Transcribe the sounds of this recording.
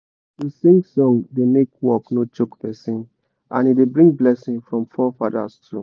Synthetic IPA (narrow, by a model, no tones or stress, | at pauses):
disĩŋsɔ̃ŋdenekwɔknot͡ʃokpɛsĩn | ʔã̰nidebɹĩŋ̚blɛsĩŋfɹɔ̃mfɔfada̰stu